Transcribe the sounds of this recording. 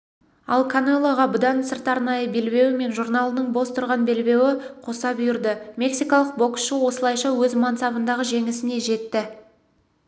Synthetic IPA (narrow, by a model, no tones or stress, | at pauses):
ɑlˠkʰanelˠoʁɑbʊd̪ɑnsəɾt̪ɑɾnɑjəbe̞lbe̞wɪme̞nʒuɾnalˠənəɴbo̞st̪ʰʊɾʁɑnbe̞lbe̞wɪqʰosɑbʏjɪɾd̪əmʲe̞ksijkɑlˠəq̚bo̞ksʃəwo̞səlˠɑjʃɑwɵzmɑnsɑbənd̪ɑʁəʒe̞ŋɪsɪne̞ʒe̞t̪ːɪ